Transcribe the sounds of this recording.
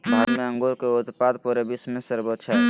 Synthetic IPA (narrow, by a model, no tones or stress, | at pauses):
bʱaɾmeə̃ŋɡoɾkeot̪pad̪puɾebismẽsəɾbot̪ːʃʰə